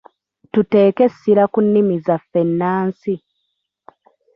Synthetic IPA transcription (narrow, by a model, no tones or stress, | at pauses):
tute̞ːke̞siɾakunːimizafːe̞nːaːnsi